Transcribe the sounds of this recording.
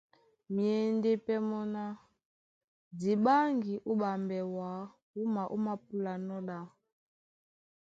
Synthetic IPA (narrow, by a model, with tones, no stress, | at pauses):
mi˨ɛ˨nde˦pɛ˦mɔ˦na˦ | di˨ɓa˦ŋɡi˨ʔu˦ɓa˨mbɛ˨wa˨˦ | u˦ma˨ʔu˦ma˦p̚u˦la˨nɔ˦ɗa˦